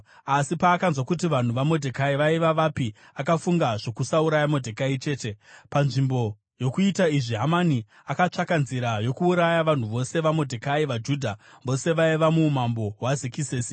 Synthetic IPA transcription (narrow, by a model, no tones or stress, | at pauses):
asipaːkanzwakut̬iʋan̤uʋamo̞dʱekaiʋaiʋaʋapi | akafuŋɡaʐo̞kusauɾajamodʱekait͡ʃe̞ːte̞panʐimbo̞ | jo̞kuitaiʐiɦamani | akat͡ʂakanziɾajo̞kuːɾajaʋan̤uʋo̞se̞ʋamo̞dʱekaiʋad͡ʒuːdʱa | ʋo̞se̞ʋaiʋamumambo̞ɦwazikiseːsi̥